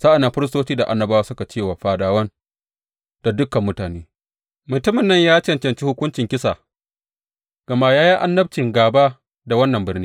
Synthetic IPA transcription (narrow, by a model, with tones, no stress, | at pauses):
sa˦ʔa˨nːa˨ɸɪ˦ɾɪ˦stoː˦t͡ʃiː˦da˨ʔa˨nːɐ˨baː˦waː˦sʊ˦ka˨t͡ʃeː˦˨waː˨ɸaː˨daː˦wɐ˦n | d̥a˨dʊ˦kɐ˨mːʊ˦taː˨neː˦ | mʊ˨tʊ˦mɪ˨nːɐ˦ɲjaː˦t͡ʃɛ˦nt͡ʃɐ˨nt͡ʃiː˦hʊ˦kʷʊ˦nt͡ʃɪ˨ŋkʲɪ˦sa˨ | ɡ̥ɐ˨maː˦jaː˦ji˦ʔa̰˦nːɐ˦b̚t͡ʃɪ˨ŋɡaː˨baː˦ | da˨wɐ˦nːɐ˨mbɪ˦rniː˦